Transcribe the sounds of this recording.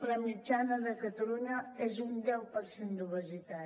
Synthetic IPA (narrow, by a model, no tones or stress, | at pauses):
ləmid͡ʒanəðəkət̪əluɲəezund̪ɛwpəɾsend̪uβəzit̪a